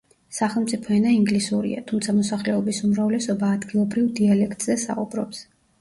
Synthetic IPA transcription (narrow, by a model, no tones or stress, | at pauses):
saχɛlˠmt̪sʼipʰɔɛnaiŋɡlisuɾḭa̰t̪ʰumt̪sʰamɔsaχlɛɔbisumɾavlɛsɔbaːd̪ɡilˠɔbɾivd̪ialɛkʰt̪ʼz̥ɛsa̰ubɾɔps